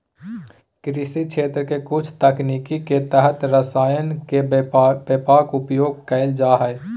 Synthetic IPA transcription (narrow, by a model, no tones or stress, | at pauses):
kɾɪsikt͡ʃʰeːt̪ɾəkekʊt͡ʃʰt̪əkniːkiket̪əɦət̪ɾəsaːjənkebepaːkʊpjoːɡ̚kəɪld͡ʒaːɦɛː